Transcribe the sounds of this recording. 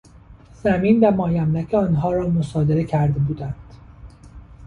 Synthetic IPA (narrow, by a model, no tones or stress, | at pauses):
z̥æmiːnvæmɒːjæmlæcʰeɒːnɦɒːɾɒːmosɒːd̪eɾecʰæɾd̪e̞buːd̪ænd̪̥